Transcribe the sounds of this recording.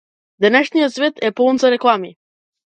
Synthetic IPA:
d̪ɛnɛʃnijɔt̪svɛt̪ɛpɔlˠnzaɾɛklˠami

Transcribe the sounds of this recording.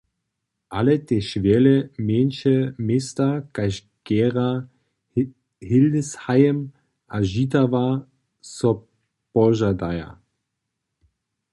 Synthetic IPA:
ʔalɛt̪ɛʃvɛlɛmeːnʃɛmest̪akaʃ | kɛːʁa | hɪldɛshajɛm | ʔaʒitava | sɔ | pɔʒadaja̰

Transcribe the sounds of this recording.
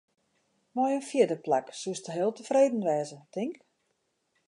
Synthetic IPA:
mɔjənfjɪdəplaksustəɦɪəlˠtəfreːdən̩ʋɛːzətɪŋk

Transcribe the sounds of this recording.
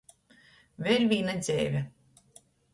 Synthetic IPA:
vʲɛlʲvʲiːnazʲɛ̰ːvʲɛ

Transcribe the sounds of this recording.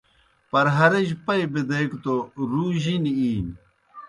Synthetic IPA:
pɐɾɦɐɾeʑpɐjbid̪ɐjkt̪oɾuːʑiniiːn

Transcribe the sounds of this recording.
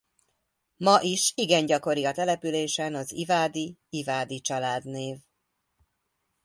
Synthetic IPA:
mɒʔiʃiɡɛɲɟɒko̞ɾiɒt̪ɛlɛpyleːʃɛnɒzivaːd̪iivaːd̪it͡ʃɒlaːd̪neːv

